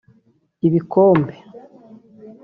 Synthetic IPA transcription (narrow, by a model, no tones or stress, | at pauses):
iβikoːmbe